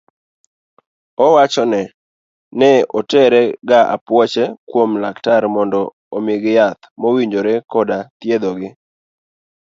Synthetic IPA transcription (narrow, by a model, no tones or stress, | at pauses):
ɔwat͡ʃɔnɛ | nɛotɛɾɛɡaʔa̰pwɔt͡ʃɛkwomlaktaɾmɔndɔː | mɪɡjat̪mowiɲd͡ʒoɾekɔdat̪jed̪ɔɡɪ